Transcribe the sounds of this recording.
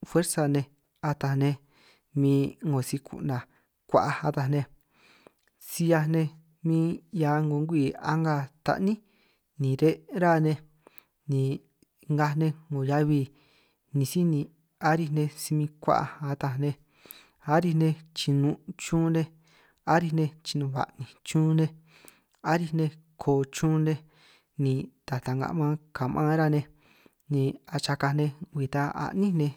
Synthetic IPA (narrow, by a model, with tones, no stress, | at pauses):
fwe˦ɾsa˧nẽ˧ | a˧t̪a˧nẽ˧ | mĩː˧ŋɡõ˨si˧kʰṵ˧˨nã˨ | kʷa̰˧ʔa˧a˧t̪a˧nẽ˧ | si˧ja˧nẽ˧ | mĩː˦ja˨˧ŋɡo˨˧ŋɡʷi˧˨a̰˦ŋɡa˧t̪a̰˧ʔnĩ˦ | nĩ˨ɾe˦ɾa˦˨nẽ˧ | nĩ˨ | ŋɡa˧nẽ˧ŋo˨ja˦˧βi˧ | nĩ˧si˦nĩ˧ | a˦ɾi˧nẽ˧si˧mĩ˧kʷa̰˦ʔa̰˧a˧t̪a˧nẽ˧ | a˦ɾi˧nẽ˧t͡ʃi˧nũ˧t͡ʃũː˦nẽ˧ | a˦ɾi˧nẽ˧t͡ʃi˧nũ˧βa̰˨ʔnĩ˨t͡ʃũː˦nẽ˦ | a˦ɾi˧nẽ˧ | kʰoː˨˧˨t͡ʃũː˦nẽ˧ | nĩ˧t̪a˨t̪a˨ŋɡa̰˧ʔmã˦ka˨mʔã˦ɾa˦˧nẽ˧ | nĩ˧a˧t͡ʃa˧ka˧nẽ˧ɡʷi˧˨t̪a˧a̰˧ʔnĩ˦nẽ˧